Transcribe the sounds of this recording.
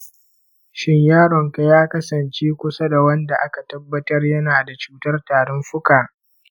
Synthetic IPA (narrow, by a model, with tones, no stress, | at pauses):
ʃɪ˦ɲjaː˦ɾɔ˨ŋka˨jaː˦kɐ˦sɐ˨nt͡ʃeː˦kʷʊ˦sa˦da˨wɐ˦nda˨ʔa˦ka˨tɐ˦bːɐ˦tɐ˦rjɐ˦naː˨da˨t͡ʃuː˦tɐ˦rtaː˨ɽɔ˦mɸʊ˦kaː˨